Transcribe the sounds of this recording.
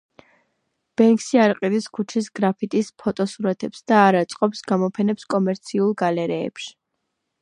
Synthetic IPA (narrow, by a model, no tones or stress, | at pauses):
b̥ɛŋkʼsiaɾqʼid̪iskʰut͡ʃʰisɡɾapʰit̪ʼispʰɔt̪ʼɔsuɾat̪ʰɛpsd̪̥aːɾat̪sʼqʼɔpsɡamɔpʰɛnɛpskʼɔmɛɾt̪sʰiulˠɡalɛɾɛ̰ːpʃi̥